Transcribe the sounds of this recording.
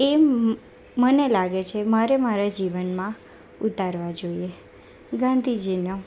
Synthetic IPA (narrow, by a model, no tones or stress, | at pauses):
e | mənelaɡet͡ʃʰemaɾemaɾad͡ʒiʋənmã | ut̪aɾʋad͡ʒoie | ɡãnd̪ʱid͡ʒino